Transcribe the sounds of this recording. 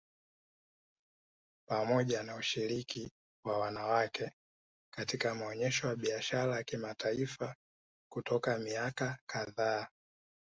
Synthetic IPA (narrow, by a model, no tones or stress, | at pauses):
pamɔʄanauʃiɾiki | wawanawakʰɛ | katikamɔɲɛʃɔwaɓiaʃaɾajakimatʰaifa | kutɔkamiakakaðaː